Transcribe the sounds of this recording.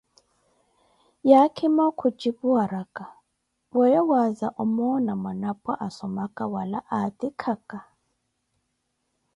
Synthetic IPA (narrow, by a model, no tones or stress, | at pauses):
jakʰimakʰut͡ʃʼipuwaɾakʼa | wɔjɔwazaʔɔmɔnamanapʼaʔasɔmakʼawalaʔatʼikʰakʼa